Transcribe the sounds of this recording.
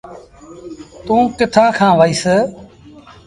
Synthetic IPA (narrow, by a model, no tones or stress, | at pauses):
t̪ũːkɪt̪ʰãːkʰãːʋaːiːseː